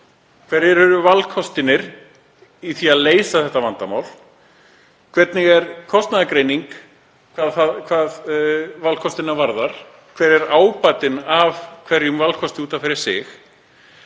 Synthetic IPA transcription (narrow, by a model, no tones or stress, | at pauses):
kʰv̥ɛɾɛɾɛɾʏvalkʰɔst̪ɪnɪɾ | iθiaðleːjsaθɛht̪ːavant̪ama̰wl | kʰv̥ɛt̪nɪɣɛɾkʰɔst̪naðakɾeːjniŋk | kʰvaːðθakʰvaːðvalkʰɔst̪ɪnːavaɾðaɾ̥ | kʰv̥ɛːɾɛɾaːwpat̪ɪnavkʰvɛɾjʏmvalkʰɔst̪ɪuːt̪anfɪɾɪɾ̥sɪ̰x